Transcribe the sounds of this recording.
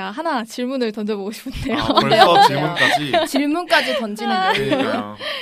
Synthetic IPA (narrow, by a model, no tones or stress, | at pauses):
aɦanat͡ɕiɭmunɯɭtʌndʌboɡoɕʰi̥pʰɯndejoo | t͡ɕiɭmunk͈ad͡ʑitʌnd͡ʑina